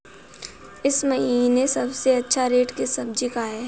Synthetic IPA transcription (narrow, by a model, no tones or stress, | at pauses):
ɪsmɐɦiːnesɐbseɐtːʃʰaɾeːʈkesɐbd͡ʒɪkaːe